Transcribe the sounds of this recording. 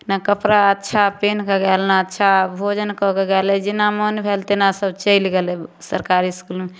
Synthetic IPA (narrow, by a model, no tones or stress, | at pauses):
nakəpɾaətːʃʰapeːnkeɡɛlnaətːʃʰabʱod͡ʒənkɔkeɡɛlɛd͡ʒinamonbʱelt̪enasəbt͡ʃəɪlɡɛlɛsəɾkaːɾiskulme